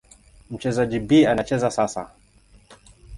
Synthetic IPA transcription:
m̩t͡ʃɛzad͡ʒibianat͡ʃɛzasasa̰

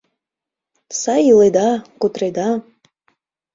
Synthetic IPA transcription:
sɑjɯlˠed̪ɑkut̪ɾed̪ɑ

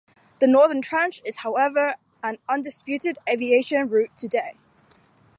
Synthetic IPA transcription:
ðənɔːðə̃ntʰɹ̥æ̃nt͡ʃɪz̥haʊɛvə˞ | ə̃nʌ̃ndɪspjʉˑtɪdevieɪʃə̃nɹʉˑtʰədeɪ

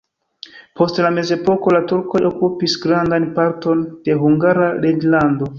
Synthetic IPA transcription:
po̞stlame̞ze̞po̞ko̞latuɾko̞jo̞kupisɡɾandanpaɾtond̥e̞ɦuŋɡaɾaɾed͡ʒlando̞

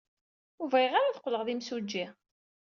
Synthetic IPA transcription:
uvʁiʁaɾaθə̥qːləʁðimsud͡ʒːi

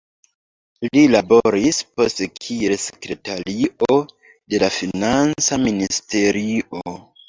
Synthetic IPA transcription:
lilabo̞ɾispo̞stekʰie̞lse̥kɾe̞taɾiʔo | de̞lafinant͡saministe̞ɾiʔo

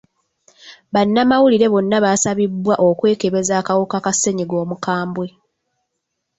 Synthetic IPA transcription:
βanːamawuliɾe̞βo̞nːaβasaβibwaʔo̞kwe̞ːke̞βe̞zaːkawokakase̞ɲiɡo̞ːmukaːmbwe̞

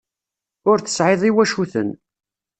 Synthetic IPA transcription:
ʊɾθə̥sʕɪðˤiwæʃuθə̰n

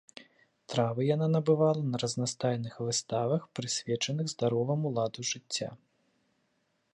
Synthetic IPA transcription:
t̪ɾavɨjananɐbɨvalˠɐnɐɾɐznast̪ajnɨxvɨst̪avɐxpɾɨsʲvʲɛt͡ʂɐnɨɣzd̪aɾɔvɐmulˠad̪ɐʐɨt͡sʲːa̰

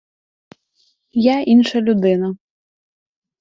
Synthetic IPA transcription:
jainʂɐlʲud̪ɨnɐ

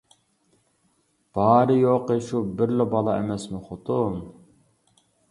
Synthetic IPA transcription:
b̥ɑːɾɨjoqəʃubɪɾlɪbɑlˠɑemɛsmɪχot̪ʊm

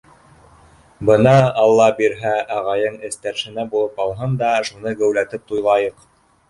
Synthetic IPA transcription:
bɤnɑːlˠːɑbiɾɦæɑʁɑjɤɴɘ̆st̪æɾʃɘ̆næbulˠɤpɑlˠɦɤnd̪ɑʃunɤɡæ̆wlæt̪ɘp̚t̪ujlˠɑjɤq

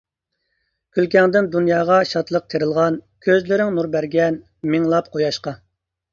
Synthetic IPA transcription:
kʲʰylkʲɛŋd̪ɪnd̪unjɑːʁɑʃɑt̪lˠəq̚t̪ʰeɾɨlˠʁɑnkʲʰøzlɪɾɪŋnuɾbæɾɡʲɛn | mɪŋlˠɑp̚qʰojɑʃqɑ

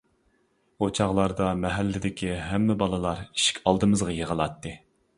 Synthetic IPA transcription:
ot͡ʃʰɑʁlˠɑɾd̪ɑmɛɦɛlːɪd̪ɪkʲiɦɛmːɪbɑlˠɨlˠɑɾi̥ʃi̥kʲʰɑlˠd̪ɨmɨzʁɑjəʁəlˠɑt̪ːɨ

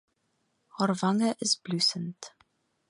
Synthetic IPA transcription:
hɔɾvaŋəʔɪst̚b̥lyːsənt

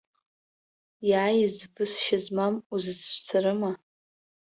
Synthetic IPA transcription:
jaːjɪzbɨsʃazmamuzɨsʰʃʷʰt͡sʰaɾɨma

